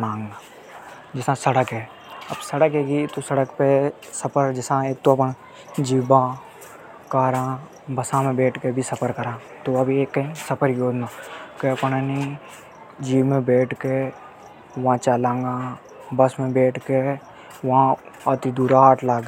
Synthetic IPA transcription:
ãːŋɡa | d͡ʒɪsãsɐɽəkɦɛː | ɐbsɐɽəkɦeːɡit̪osɐɽəkpe | sɐpʰəɾd͡ʒɪsãeːk̚t̪oɐpən | d͡ʒiːbã | kaːɾãː | bɐsãmẽbeːʈʰkebʱisɐpʰəɾkɐɾãː | t̪oɐbʱieːkːɐɦĩsɐpʰəɾjoːd̪naːkeɐpnanĩ | d͡ʒiːbmẽbeːʈʰke | ʋɐãt͡ʃalãːŋɡaː | bɐsmẽbeːʈʰke | ʋɐɦãaːt̪id̪uːɾaɦaːʈʰlaːɡ

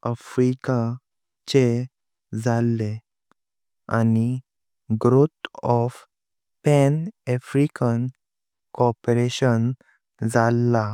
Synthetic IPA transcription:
əfɾika | t͡ɕe | d͡zalːe | ani | ɡɾot̪ɔf | pɛnɛfɾikən | kɔpɾeɕən | d͡zalːa

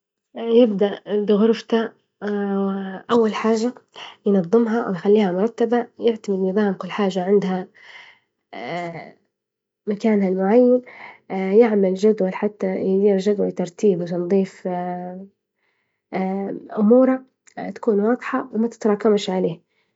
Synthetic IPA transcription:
jɪbd̪aʔd̪ɣʊɾft̪a | ʔawːalħaːʒajnɑðˤːɨmɦɑʔwjxalːiːhamʊɾˤɑt̪ːabajɪʕt̪amɪd̪nɨðˤɑːmkʊlːħaːʒaʕɪnd̪ha | makaːnhalmʊʕajːan | jɪʕmald͡ʒad̪walħat̪ːajd̪iːɾʒad̪walt̪ɑɾˤt̪iːbwt̪ɑnðˤiːf | ʔʊmuːɾa | t̪ḁkuːnwɑːd̪ˤħɑwɪmat̪ɪ̥t̪ɑɾˤɑːkamʃʕaleː

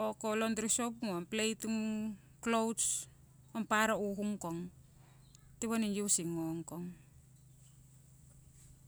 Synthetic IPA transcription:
okolondɾisop̚ŋoomplejtuŋ | klows | ompaɾauhuŋkoŋ | tiβaninjusiŋːoŋkoŋ

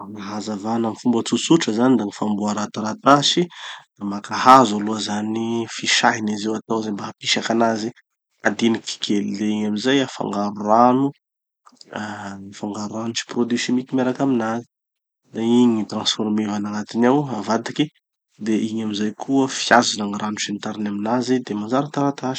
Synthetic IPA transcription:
aɦazavanamifumbət͡susuʈ͡ʂəzanid̪aŋifambuaɾat̪aɾat̪asid̪̥amakahazaluəzanifiʃaɦinizewat̪awzambaɦapiʃakanazi | a̰d̪iniki̥kʲʰelileiɲamizajafa̰ŋɡaɾuɾanu | nifaŋɡaɾuanut͡ʃi̥prod̪ysimikimeɾakaminazi̥ | d̪aiɲit̪ɾãnsformivanaŋat̪inawavad̪iki | d̪eʔiɲamizajkʰuəfjazunaŋiranuʃint̪aɾinaminazid̪emanzaɾat̪aɾat̪aʃi̥

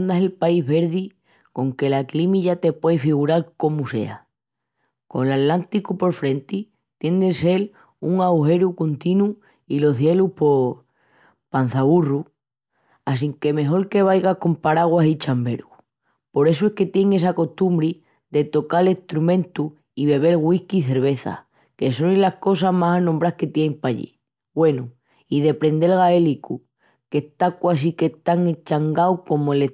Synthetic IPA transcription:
nd̪aselpaiɦβe̞ɾði | ko̞ŋke̞laklimiʝat̪e̞pweefiɣ̞uɾalko̞muse̞̰a̰ | ko̞̰ŋlat̪lant̪ikupo̞ɾfɾe̞nt̪i | t̪je̞nd̪ese̞l | uŋawxe̞ɾukont̪inu | ilo̞θje̞luhpo̞ | pan̟θaβuru | as̬iŋke̞me̞ɦo̞ɾke̞β̞ajɣako̞mpaɾaɣ̞wasit͡ʃambe̞ɾɣu | po̞ɾe̞suehke̞t̪je̞ŋe̞s̬ako̞ht̪umbɾi | ðe̞t̪o̞kale̞ht̪ɾumẽ̞nt̪u | iβe̞β̞e̞lɣwihkiːθe̞ɾβ̞e̞θa̰ | ke̞so̞nilahko̞s̬aɦmasanõmbɾahke̞t̪jeimpaʎḭ | we̞nu | iðe̞pɾe̞nd̪e̞lɣaeliku | ke̞ht̪akwas̬ike̞t̪aŋet͡ʃaŋɡawko̞moele

